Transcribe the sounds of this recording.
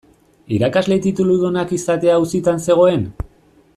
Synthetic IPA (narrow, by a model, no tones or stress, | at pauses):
iɾakazle̞t̪it̪uluðonakisat̪e̞ausit̪anse̞ɣ̞o̞e̞n